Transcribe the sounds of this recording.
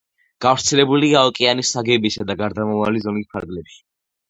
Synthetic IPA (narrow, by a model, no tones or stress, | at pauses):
ɡ̥afɾt̪sʰɛlɛbuliaɔkʼianisaɡɛbisad̪aɡaɾd̪amamalizɔnispʰa̰ɾɡlɛpʃi̥